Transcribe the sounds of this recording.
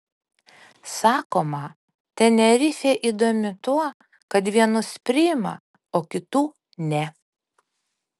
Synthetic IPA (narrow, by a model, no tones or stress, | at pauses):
sɑːkoːmɐ | t̪ʲɛnʲɛɾʲɪfʲeːʔiːd̪oːmʲɪt̪uɔ | kɐt̪̬ʋʲiɛnʊspʲɾʲɪjɪmɐ̰ | oːkʲɪt̪uː | nʲɛ